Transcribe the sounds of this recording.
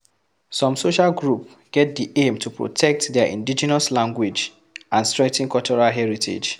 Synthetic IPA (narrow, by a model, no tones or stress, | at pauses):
sɔ̃msoʃalɡɹup | ɡ̥ɛt̚diʔẽmtʰupɹɔ̰tʰɛk̚tdɛʔḭ̃ndid͡ʒɛnɔslãŋɡwid͡ʒ | ãnstɹɛ̃tĩnkɔt͡ʃɔɹalɦɛɹitʰḛd͡ʒ